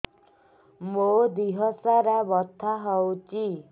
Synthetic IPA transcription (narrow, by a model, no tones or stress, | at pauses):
mod̪iɦɔsaɾabɔt̪ʰːaɦɔwt͡ʃi